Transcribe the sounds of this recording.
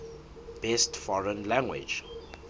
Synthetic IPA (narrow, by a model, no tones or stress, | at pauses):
b̥ɛstfɔɹə̃nlãŋɡwɪ̰d͡ʒ